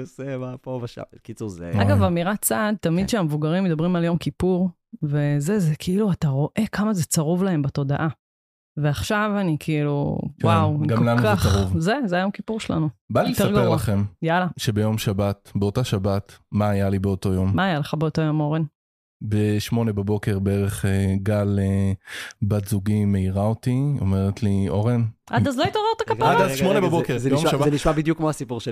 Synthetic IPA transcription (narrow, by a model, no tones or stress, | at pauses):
osemapobaa̰kit͡suzea̰ɡavamiʁat͡sad̪̚t̪amid̪ʃeamevuɡaʁimːed̪abʁimaljo̞mkipuʁ | ve̞zezekʰiiluataʁo̞ʔe̞kʰamazet͡saʁuvlaɦe̞mbato̞da̰ʔa | ve̞aχʃavanikʰiilṵwawɡakomlanukaχaʁuvzezeajo̞mkipuʁʃela̰nubalioteʁɡaʁlaχemjalaʃebe̞jo̞mʃabatbeotaʃabatmaːjalibeo̞to̞jo̞mmaːjaleχabeoto̞jo̞mo̞ʁen | beʃmo̞nebabo̞ke̞ʁbeeʁeχeɡale | batzuɡime̞iʁaotio̰meʁetlio̞ʁenʔadazloit̪oʁeʁt̪akapaadaʃmonebabokeʁjomabaeniʃmabid̪jukmoasipuʁʃe